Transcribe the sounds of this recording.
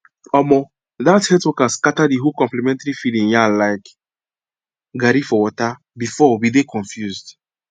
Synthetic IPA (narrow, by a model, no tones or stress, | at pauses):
ɔmɔ | ðathɛtwɔkaskatadiɦokɔ̃mplimɛ̃ntaɾifilĩŋjalaɪk | ɡaɾifɔwɔta | bifɔwidekɔ̃ɱfjuzd